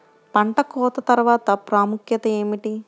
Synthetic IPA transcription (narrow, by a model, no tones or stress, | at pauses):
pɐɳʈɐkɔːt̪ɐt̪ɐɾʋaːt̪ɐpɾaːmukjɐt̪ɐeːmiʈi